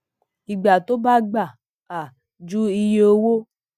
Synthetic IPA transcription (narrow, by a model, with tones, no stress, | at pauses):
i˨ɡ͡ba˨to˦ba˦ɡ͡ba˨ | a˨ | d͡ʒu˦i˧je˨o˦wo˦